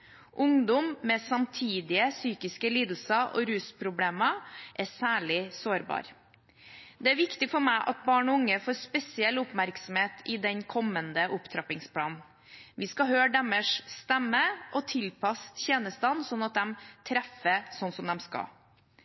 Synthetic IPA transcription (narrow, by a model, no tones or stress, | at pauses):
ʔʊŋd̪ʊmːɛsɑmt̪ʰiːd̪ɪəsyːkɪskəliːd̪l̩səʔɔ̰ɾʉːspʰɾʊbleːmɑʔɛsæːɭɪsoːɾbɑ̰ːɾ | d̪ɛæɾʋɪkt̪ɪfɔɾmæɪʔɑ̰t̪̚bɑːɳɔʊŋːəfoːɾspɛsɪɛlːʊpmæɾksɔm̩heːt̪ʰɪd̪ɛnkʰɔmːənd̪əʔʊpt̪ʰɾɑpɪŋspʰlɑːnn̩ | ʋɪskɑɦøːɖɛməʂst̪ɛmːəʔɔt̪ʰɪlpʰɑst̪çeːnəst̪ɑnsɔnːɑt̪̚d̪ɛmt̪ʰɾɛfəsɔnsɔmd̪ɛmskɑ̰